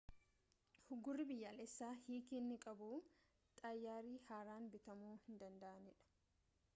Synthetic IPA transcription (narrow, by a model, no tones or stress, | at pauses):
hʊɡʊrːɪbɪjːaːlɛsːaːhiːkinːɪkʼɐbuː | t̪ʼɐjːaːɾiːhaːɾaːnbɪt̪ɐmuːhɪnd̪ɐnd̪ɐʔɐnɪᶑɐ̥